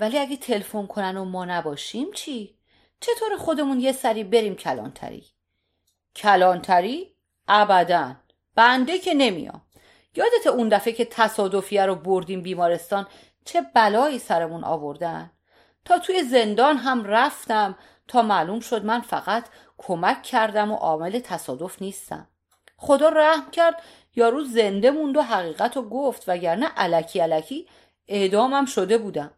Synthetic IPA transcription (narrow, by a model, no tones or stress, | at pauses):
væliæɡet̪ʰe̞lfo̞nkʰo̞nænomɒːnæbɒːʃimt͡ʃʰi | t͡ʃʰe̞t̪ʰoːɾexo̞d̪e̞munje̞sæɾiːbe̞ɾiːmcʰælɒ̰ːnt̪ʰæ̰ɾḭ | cʰælɒːnt̪ʰæɾiː | ʔæbæd̪æn | b̥ænd̪e̞cʰe̞ne̞mḭjɒ̰ːm | jɒːd̪et̪ʰeund̪æfecʰe̞t̪ʰæsɒːd̪o̞fijæɾoboɾd̪iːmbiːmɒːɾe̞st̪ɒːn | t͡ʃʰe̞bælɒːiːsæɾemunʔɒ̰ːvo̞ɾd̪æn | t̪ʰɒːt̪ʰuːjeze̞nd̪ɒːnɦæmræft̪æm | t̪ʰɒːmæluːmʃo̞d̪mænfæ̰ɣæt̪ʰ | kʰomækʰːæɾd̪æmo̰ʔɒːme̞le̞t̪ʰæsɒːd̪o̞fniːst̪æ̰m | χo̞d̪ɒːɾæhmcʰæɾd̪ | jɒːɾuːze̞nd̪e̞mund̪oɦæɣiːɣæt̪ʰoɡoft̪væɟæɾnæʔælæcʰiːælæcʰiː | e̞ʔd̪ɒːmæmʃo̞d̪e̞buːd̪æm